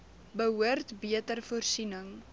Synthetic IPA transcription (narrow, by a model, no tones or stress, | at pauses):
bəɦuərtbiətərfuərsinəŋ